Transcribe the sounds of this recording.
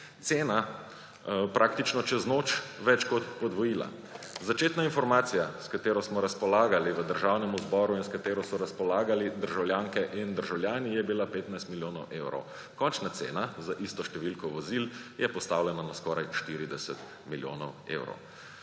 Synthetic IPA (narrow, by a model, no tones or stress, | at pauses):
t̪seːna | pɾʔaːk̚t̪it͡ʃnɔt͡ʃɛznoːt͡ʃʋɛt͡ʃkɔt̪pɔd̪ʋɔjiːla̰ | zat͡ʃeːt̪nainfɔɾmaːt̪sijaskat̪eːɾɔsmɔɾaspɔlaːɡaliʋəd̪əɾʒawnɛmuzbɔɾuinskat̪eːɾɔsɔɾaspɔlaːɡalid̪əɾʒawljaŋkɛʔind̪əɾʒawljaːnijɛbilapeːt̪najst̪miljoːnɔwʔewɾɔ̰w | kɔnt͡ʃnat̪sḛːnazaʔist̪ɔʃt̪ɛʋilkɔʋɔziljɛpɔst̪awljɛnanaskɔɾajʃt̪iɾid̪ɛsɛt̪ | miljo̰ːnɔwḛwɾɔ̰w